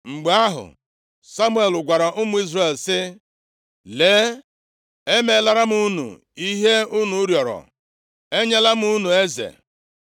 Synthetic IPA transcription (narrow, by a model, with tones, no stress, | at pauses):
ŋ͡m̩˨ɡ͡ba˦ɦʊ̰˨ | sa˦mʊ˦e˨lʊ˨ɡʷa˨ɾa˨ʔʊ˦mʊ˦i˦zre˦˨lsɪ˦ | leː˨˦ | e˦me˨˦la˦ɾa˦m̩˦u˦nṵ˨ | i˦ɦe˦u˦nu˨ʊ˦ɾjɔ˨ɾɔ̰˨ | e˦ɲe˦la˦m˦u˦nu˨e˦zḛ˨